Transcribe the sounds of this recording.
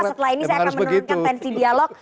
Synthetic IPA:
sət̪əlainisajaanməut̪kanfɛnsidialɔk̚

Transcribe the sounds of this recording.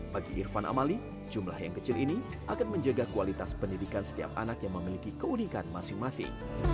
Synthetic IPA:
b̥aɡiʔḭrfanʔa̰mali | d͡ʒumlahjaŋkət͡ʃɪlini | ʔakanməɲd͡ʒaɡakualit̪aspəndidikansə̥t̪ia̰p̚ʔa̰nakjaŋməmilikikəunikanmasɪŋmasɪ̰ŋ

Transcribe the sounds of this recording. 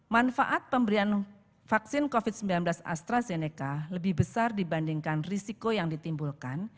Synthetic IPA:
manfaʔat̪̚pəmbəɾian | faksɪnkofiɪt̪̚səmbilanblasa̰st̪ɾazenekaləbɪhbəsardibandiŋkanrisikojaŋdit̪imbulkan

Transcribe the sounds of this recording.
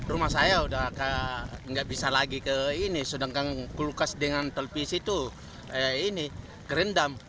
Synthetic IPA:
rumahsajaudaɦkaŋɡaʔbisalaɡikəinisudəŋkaŋkulukasdəŋant̪əlpisit̪u | ini | ɡɾɛndam

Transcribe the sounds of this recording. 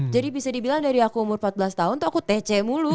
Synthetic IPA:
d͡ʒadibisadibilaŋdaɾiakuːmʊrmpat̪̚bəlast̪aɦʊnt̪uakut̪ɛt͡ʃɛmulu

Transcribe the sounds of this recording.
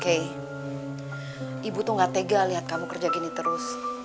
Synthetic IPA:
ke | ibut̪ʊŋɡat̪eɡaliɦat̪̚kamukərd͡ʒakinit̪əɾʊs

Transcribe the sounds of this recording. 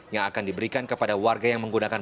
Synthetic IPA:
jaŋakandibəɾikankəpadawarɡajaŋməŋɡunakan

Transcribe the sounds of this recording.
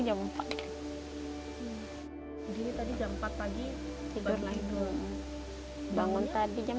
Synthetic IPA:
d͡ʒampaʔ̪ | diɾit̪adid͡ʒampat̪̚paɡi | t̪idʊrlait̪uʔ | baŋʊnt̪adid͡ʒam

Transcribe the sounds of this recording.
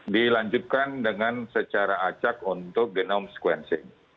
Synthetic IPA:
dilaɲd͡ʒut̪̚kandəŋansət͡ʃaɾaat͡ʃakunt̪ʊk̚ɡənɔmsə̥kwɛnsɪ̰ŋ

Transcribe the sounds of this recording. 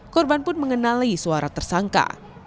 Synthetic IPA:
kɔrbanpʊnməŋənalisuaɾat̪ərsaŋka̰

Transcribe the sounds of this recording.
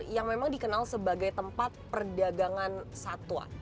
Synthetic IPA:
jaŋmemaŋdikənalsəbaɡajt̪əmpat̪̚pərdaɡaŋansat̪ua̰

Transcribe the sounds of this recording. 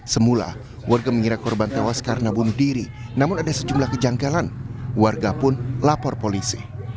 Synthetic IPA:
səmula̰ | warɡaməŋiɾakɔrbant̪ewaskaɾənabunʊhdiɾi | namʊnadasəd͡ʒumlahkəd͡ʒaŋɡalanwarɡapʊnlapɔrpolisi

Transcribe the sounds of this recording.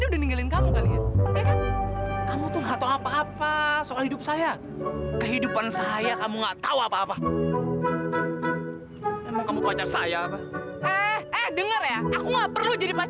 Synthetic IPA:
niudahniŋɡalɪnkamukalianpɛkankamut̪ʊnɦat̪oapaːpasokalhidʊp̚saja | kəɦidupansajakamuŋɡaʔt̪auapaːpa | ɛmaŋkamupəat͡ʃarsajaːpa | ɛhɛhdəŋərjaakuŋɡaʔpərlud͡ʒadipa

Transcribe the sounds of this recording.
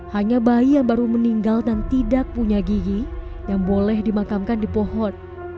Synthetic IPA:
haɲabaijaŋbaɾuməniŋɡaldant̪idak̚puɲaɡiɡijaŋbolɛhdimakamkandipɔɦɔn

